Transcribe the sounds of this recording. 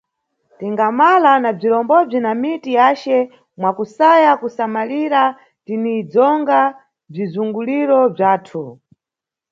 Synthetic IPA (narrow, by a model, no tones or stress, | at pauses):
tiŋɡamalanab͡ʐiɾɔmbɔb͡ʐinamitijat͡ʃɛ | mwakusajakusamaliɾa | tinid͡zɔŋɡa | b͡ʐizuŋɡuliɾɔb͡ʐaːtʰu